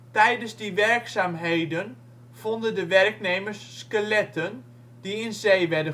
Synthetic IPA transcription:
tɛjdəzdiʋɛrksaːmɦejdən | v̥ɔndəndəʋɛrkneːmərsːkəlɛtən | diɪnzejʋɛdə

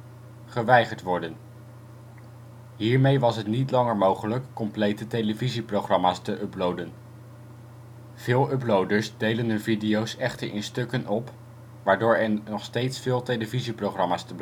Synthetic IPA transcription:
χəʋɛjχəɹtʋɔɹdən | ɦiːɹmejʋɑsɦətnitlɑŋəɹmowχələkːɔmplejtəteləviziprowχrɑmaːstəʔɵplowdən | v̥ɪːlˠɵplowdəɹsdejlənɦɵnvidijowsɛχtəɹʔɪ̰nstøkənʔɔp | ʋaːɹdʊːɹɛɹnɔχstejtsfɪːlˠtejləviziproχrɑmaːstəb

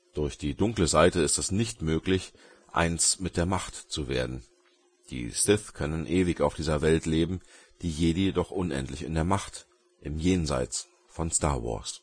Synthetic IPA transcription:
d̥ʊɐçd̥iːdʊŋkləzaɪtəɪstɛsnɪçtmøːklɪç | ʔa̰ɪnsmɪt̚d̥eːɐmaχtt͡suveːɐdn̩ | d̥ḭːstɪθkʰœnənʔeːvɪçaʊfd̥iːzɐvɛltleːbm̩ | d̥iːjeːdəjedɔχʔʊnʔɛ̰ntlɪçɪ̰ndeːɐmaχt | ʔɪmjeːnza̰ɪt͡s | fɔnsta̰ːɐwɔ̰ɐs

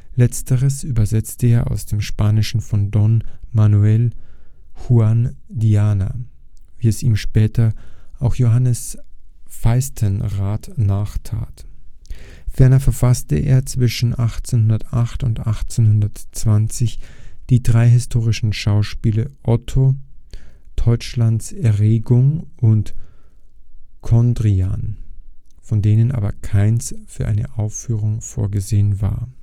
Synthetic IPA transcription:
lɛt͡stəʁəsʔyːbɐzɛt͡stəeːɐʔa̰ʊsd̥eːmʃpaːnɪʃn̩fɔndɔnmanuɛl | huan | diaːna̰ | viːɛsiːmʃpɛːtɐʔaʊxjoɦanəs | faɪstʰənʁaːtnaːχtʰa̰ːt | fɛɐnɐfɛɐfastəʔḛːɐt͡sv̥ɪʃn̩ʔaχt͡seːnhʊndɐtʔaχtʊntʔaχt͡senhʊndɐtt͡sv̥ant͡sɪçd̥iːdʁaɪɦɪstʰoːʁ̞ɪʃn̩ʃaʊʃpiːlɐʔɔtʰo | d̥ɔʏt͡ʃlantsɛɐʁeːɡʊŋʔʊnt | kʰɔndʁia̰ːn | fɔndeːnənʔa̰ːbɐkʰaɪnsfyːɐʔa̰ɪnə̰ʔaʊfyːʁ̞ʊŋfo̰ːɐɡəzeːənva̰ːɐ

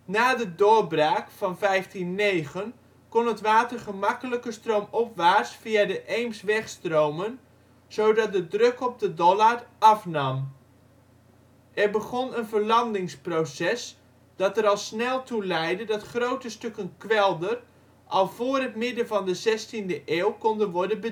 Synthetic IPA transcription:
naːdədʊɹbraːkfɑnvɛjftinːejχən | kɔnətʋaːtərχəmɑkələkəstrowmɔpʋaːsfiadəʔejmsʋɛχstrowmən | z̥owdɑt̚dədrɵkɔb̚dədɔlarʔɑfnɑm | ʔɛrbəχɔnənvəɹlɑndɪŋsprowsɛs | d̥ɑtəɾɑlˠsnɛlˠtulɛjdədɑtχrowtəstɵkənkʋɛlˠdər | ʔɑlˠv̥ʊːrətmɪdənvɑndəzɛstindəʔeːwkɔndənʋɔɹdənbə

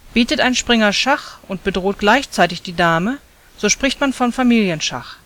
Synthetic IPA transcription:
b̥iːtətʔaɪnʃpʁ̥ɪŋɐʃaχʔʊnt̚b̥ədʁoːtɡ̥laɪçt͡saɪtɪçd̥iːdaːmə | z̥oːʃpʁ̥ɪçtmanfɔnfamiːljənʃa̰χ

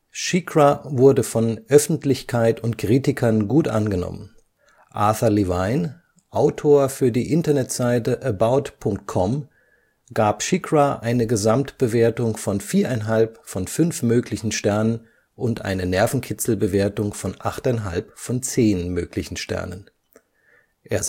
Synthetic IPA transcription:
ʃikʰʁavʊɐdəfɔnʔœfn̩tlɪçkʰaɪtʊntkʁ̥iːtɪkʰɐnɡuːtʔa̰nɡənɔ̰mə̰n | ʔa̰ɐθɐlivaɪn | ʔaʊtʰoːɐfyːɐdiːʔɪntɐnɛtz̥aɪtəʔəbaʊtpʰʊŋk̚t̚kʰɔm | ɡ̥aːpʃɪkʁaʔaɪnəɡəzamtb̥əveːɐtʊŋfɔnfiːɐʔaɪnɦalpfɔnfʏnfmøːklɪçn̩ʃtɛɐnən | ʔʊntʔa̰ɪnənɛɐfn̩kʰɪt͡sl̩bəveːɐtʊŋfɔnʔaχtaɪnɦalpfɔnt͡seːnmøːklɪçn̩ʃtɛ̰ɐnə̰n | ʔeːɐ

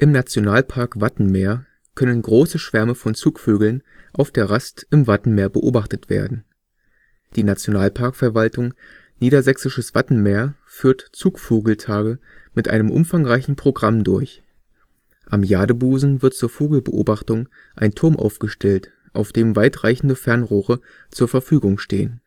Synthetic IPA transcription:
ʔɪmnat͡sjonaːlpʰaɐkv̥atn̩meːɐ | kʰœnənɡʁoːsəʃv̥ɛɐməfɔnt͡suːkføːɡl̩nʔaʊfd̥eːɐʁastɪmvatn̩meːɐbəʔo̰ːbaχtətv̥ḛːɐdn̩ | d̥iːnat͡sjonaːlpʰaɐkfɛɐvaltʊŋ | niːɾɐzɛksɪʃəsv̥atn̩meːɐ | fyːɐtt͡suːkfoːɡl̩tʰaːɡəmɪtʔa̰ɪnəmʔʊ̰mfaŋʁaɪçn̩pʁ̥oɡʁamdʊɐç | ʔamjaːdəbuːzn̩vɪɐtt͡suːɐfoːɡl̩bəʔo̰ːbaχtʊŋ | ʔaɪntʰʊɐmʔa̰ʊfɡ̥əʃtʰɛlt | ʔaʊfd̥eːmvaɪtʁ̥aɪçn̩dəfɛɐnʁoːʁə | t͡suːɐfɛɐfyːɡʊŋʃtḛːən

